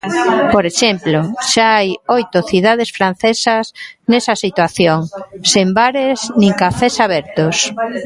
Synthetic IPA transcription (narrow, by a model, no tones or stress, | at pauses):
poɾeʃemploʃaajojt̪oθiðað̞esfɾan̟θesasnesasit̪waθjoŋsembaɾeznĩŋkafesaβɛɾt̪os